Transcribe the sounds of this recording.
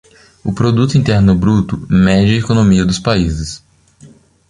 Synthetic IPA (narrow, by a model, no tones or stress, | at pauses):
ʊpɾod̪ut̪ʊĩnt̪ɛɾnʊbɾut̪ʊmɛd͡ʒɪɐekonõmiɐd̪ʊspaizɪs